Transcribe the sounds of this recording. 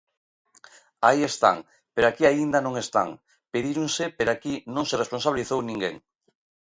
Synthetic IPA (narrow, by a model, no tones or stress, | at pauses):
aiest̪a̰ŋ | peɾoakiaind̪anõŋest̪a̰ŋ | peðiɾuŋsepeɾakinõŋseresponsaβiliθownĩŋɡḛŋ